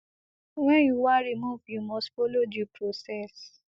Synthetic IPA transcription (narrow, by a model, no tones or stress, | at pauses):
wɛ̃juwaɾimũvjumɔ̃sfolod͡ʒipɾosɛs